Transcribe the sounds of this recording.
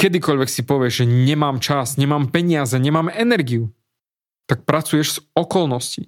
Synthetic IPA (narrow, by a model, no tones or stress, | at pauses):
kɛd̪ikɔʎʋɛksipɔʋɪɛʒʒɛɲɛmaːmt͡ʃazɲɛmaːmpɛɲɪazɛɲɛmaːmɛnɛɾɡiu | t̪ak̚pɾat͡sujɛʒz̥ɔkɔlnɔsci